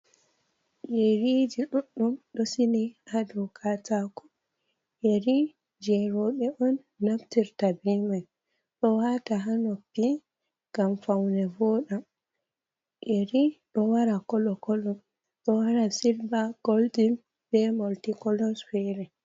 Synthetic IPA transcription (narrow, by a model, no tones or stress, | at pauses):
jeɾid͡ʒiɗuɗumɗɔsiniadɔkʰatakɔ̥ | jeɾi | d͡ʒɛɾɔɓɛʔɔnː | aftiɾtabɛmaj | ɗɔwataɦanɔpi | ɡamfawnɛvɔɗam | ʔeɾiɗɔwaɾakɔlɔkɔlɔm | ɗɔwaɾasilbaɡ̥oldin | b̥ɛmɔltikɔlɔsfɛɾɛ